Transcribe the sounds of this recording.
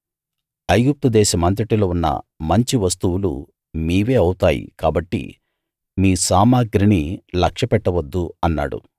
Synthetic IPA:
ɐjɡup̚t̪ud̪ɛːʃɐmɐnt̪ɾiʈiloːunːɐ̰mɐɲt͡ʃiʋɐst̪uwulṵ | miːʋeːɐwut̪aːjḭkaːbɐʈːḭ | miːsaːmaːɡɾinilɐkʂɐpɛʈːɐʋɐd̪ːuɐnːa̰ːɽṵ

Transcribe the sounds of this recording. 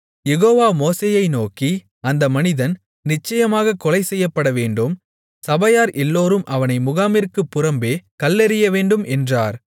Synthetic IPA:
jɛɣoːʋaːmoːseːjɐɪnoːki | ɐnd̪ɐmɐnɪðɐn | nɪt͡ʃːɐjɐmaːɣɐkɔlɐɪsɛjːɐpːɐɽɐʋeːɳɖɯm | sɐbɐjaːɾʔɛlːoːɾɯmʔɐʋɐnɐɪmʊɣaːmɪɾkɯpːʊɾɐmbeːkɐlːɛɾɪjɐʋeːɳɖɯmɛndraːɾ

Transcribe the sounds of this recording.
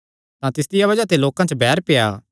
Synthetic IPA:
t̪ãt̪ɪsd̪ɪjabɐd͡ʒat̪eloːkãt͡ʃəbɛːɾpeja̰ː

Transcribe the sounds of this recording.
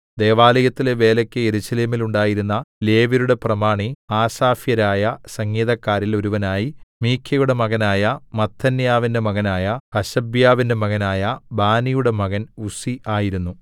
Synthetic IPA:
d̪e̞ːʋaːlɐjɐt̪ːileʋe̞ːlɐkʲːɨeɾuɕɐleːmiluɳɖaːjiɾunːɐle̞ːʋiɾuɽe̞prɐmaːɳiaːsaːfjɐɾaːjɐsɐŋːiːðɐkːaːɾilo̞ɾuʋɐnaːjimiːkʰjɐjuɽe̞mɐɣɐnaːjɐmɐt̪ʰːɐnjaːʋinde̞mɐɣɐnaːjɐkɐɕɐbjaːʋinde̞mɐɣɐnaːjɐbaːnijuɽe̞mɐɣɐnusiʔaːjiɾunːu

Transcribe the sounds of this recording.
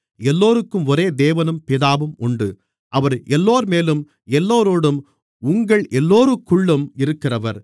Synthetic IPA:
ɛlːoːɾɯkːɯmɔɾeːd̪eːʋɐnɯmpɪðaːʋɯmʔʊɳɖɯ | ʔɐʋɐɾɛlːoːɾmeːlɯm | ɛlːoːɾoːɽɯm | ʊŋɡɐɭʔɛlːoːɾɯkːʊɭːɯmɪɾɯkːɪrɐʋɐɾ

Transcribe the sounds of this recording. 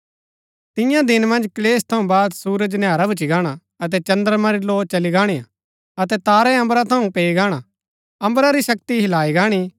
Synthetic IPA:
t̪ɪ̃jãd̪ɪnmɐ̃nd͡ʒkleːst̪ʰɐũbaːd̪suːɾəd͡ʒnjaːɾabʊt͡ʃiɡaːɽ̃a | ɐt̪̬ɛt͡ʃɐ̃nd̪əɾmãɾiloːt͡ʃɐliɡaːɽ̃eːa̰ | ɐt̪ɛt̪aːɾɛɐ̃mbɾat̪ʰɐũpeːiɡaːɽ̃a | ɐ̃mbɾaɾisɐkt̪iɦɪlaːiɡaːɽ̃i

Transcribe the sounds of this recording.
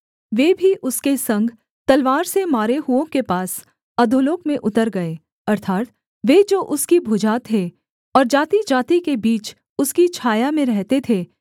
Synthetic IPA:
ʋeːbʱiʔʊskesɐ̃ŋɡʱ | t̪ɐlʋaːɾsemaːɾeɦʊõkepaːs | ɐd̪ʱʊloːkmẽʔʊt̪əɾɡɐe | ɐɾt̪ʰaːt̪ | ʋeːd͡ʒoːʔʊskibʱʊd͡ʒaːt̪ʰːe | ɔːɾd͡ʒaːt̪id͡ʒaːt̪ikebiːt͡ʃ | ʊskit͡ʃʰaːjamẽɾɛɦt̪et̪ʰeː

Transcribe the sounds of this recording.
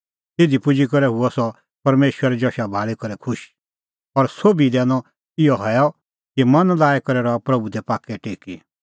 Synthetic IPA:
t̪ɪd̪ipʊd͡ʒikɐɾɛɦʊɔsɔ | pɐɾmeːʃwəɾɛd͡ʒɔʃabʱaːɭikɐɾɛkʰʊʃ | ɔɾsoːbid̪ɛ̃ːnɔ | ɪjɔɦɔjɔ | kimɐ̃nlaːɛkɐɾɛɾɔapɾɐbud̪ɛpaːkːɛʈeːki

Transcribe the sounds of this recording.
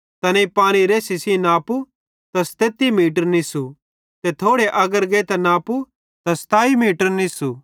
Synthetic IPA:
t̪ɐneipaːñiɾeːsisinaːpu | t̪ɐst̪eːt̪imiːʈ̬əɾnisu | t̪et̪ʰoːɽeʔɐɡəɾɡeːt̪ɐnaːpu | t̪ɐst̪aːimiːʈəɾnisu

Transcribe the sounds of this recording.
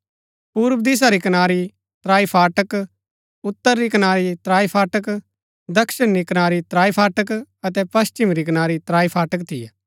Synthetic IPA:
puːɾʋd̪eːs̬aɾikɐnaːɾi | t̪ɾaːipʰaːʈək | ʊt̪ːəɾːikɐnaːɾit̪ɾaːipʰaːʈək | d̪ɐkʃɪnːikɐnaːɾit̪ɾaːipʰaːʈəkɐt̪ɛpɐst͡ʃɪmɾikɐnaːɾit̪ɾaːipʰaːʈək̬̚t̪ʰɪjɛː

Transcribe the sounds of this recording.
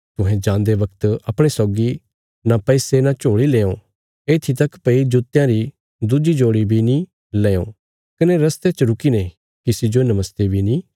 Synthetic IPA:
t̪ʊɦɛ̃d͡ʒãːnd̪eʋɐkt̪ɐpɽ̃esɔːɡi | napɛɪsenãt͡ʃoːɽileːõ | eːt̪ʰit̪ɐkpɐid͡ʒʊt̪jãɾi | d̪ud͡ʒid͡ʒoːɽibʱinĩ | leːõ̰ː | kɐneɾɐst̪et͡ʃəɾʊkine | kɪsid͡ʒonɐməst̪ebʱinĩː

